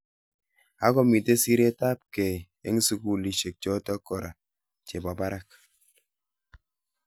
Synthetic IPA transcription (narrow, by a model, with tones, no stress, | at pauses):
a˦kɔ˦mi˨te˦si˦ɾe˦ta˦p̚ke˨ | ḛ˦ŋ˦su˦ku˨li˨ʃe˨k̚t͡ʃɔ˦tɔ˦kɔ˨ɾa˨ | t͡ʃe˨bɔ˨ba˦ɾa˦k̚